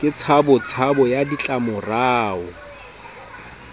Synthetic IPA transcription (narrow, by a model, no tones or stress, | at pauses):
kʼɪt͡sʰabʊt͡sʰabɔjadit͡ɬʼamʊraːɔ